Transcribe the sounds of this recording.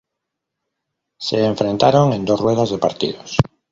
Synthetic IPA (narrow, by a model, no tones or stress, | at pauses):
seːɱfɾent̪aɾoŋẽnd̪osrweðazðepaɾt̪ḭðos